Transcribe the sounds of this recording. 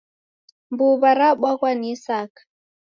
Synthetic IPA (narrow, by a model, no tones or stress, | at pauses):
mbuβaɾaɓwaɣwanisakḁ